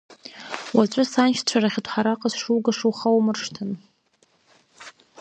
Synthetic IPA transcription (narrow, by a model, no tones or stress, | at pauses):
waʈ͡ʂʷʼʊsant͡ʃʈ͡ʂʷʰaɾaχʲɪtʰʼħaɾaqʼazʂuwɡaʂuwχawmɨrʂtʰɨn